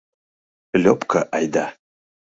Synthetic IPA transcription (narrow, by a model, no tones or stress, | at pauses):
lʲopkʰəʔajd̪a